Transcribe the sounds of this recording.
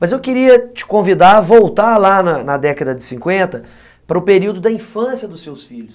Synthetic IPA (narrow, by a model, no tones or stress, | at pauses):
mɐzewkɪɾiɐt͡ʃɪ̥kõvid̪aɾvowt̪aɾlanɐnɐd̪ɛkɐd̪ɐd͡ʒɪ̥sĩkwẽnt̪ɐ | pɐɾɐʊpeɾiwd̪ʊd̪ɐĩfɐ̃siɐd̪ʊsːewsfiʎʊs